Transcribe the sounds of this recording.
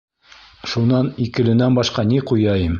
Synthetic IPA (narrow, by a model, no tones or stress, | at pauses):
ʃunɑnikɘ̆lɘ̆nænbɑʃqɑniqujɑjɤm